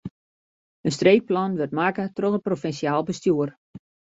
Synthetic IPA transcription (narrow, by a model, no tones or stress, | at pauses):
ənstreːk̚plɔnʋørtmakətroχəprofɛnsjaːlˠbəstjuər